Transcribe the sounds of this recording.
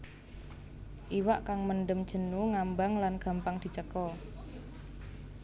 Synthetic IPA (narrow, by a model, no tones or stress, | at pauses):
ʔiwaʔkaŋmənɖəmd̥ʒ̥ə̤nuŋambaŋlanɡ̥a̤mpaŋd̪̥i̤t͡ʃəkɔ